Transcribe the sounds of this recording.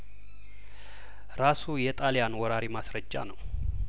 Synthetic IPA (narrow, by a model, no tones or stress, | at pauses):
ɾasujɛt̪ʼalijanwɔɾaɾimasɾəd͡ʒːa̰nəw